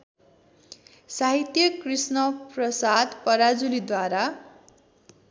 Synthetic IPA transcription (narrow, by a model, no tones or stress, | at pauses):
saɦit̪jʌkrisnʌprʌsad̪pʌɾad͡zulid̪waɾa